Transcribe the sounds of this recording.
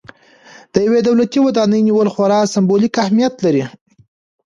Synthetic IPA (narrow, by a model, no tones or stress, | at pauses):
d̪̥əjawed̪awlat̪iwad̪ɑnəjniwəlxwaɾɑsɪmbolikahmijat̪laɾi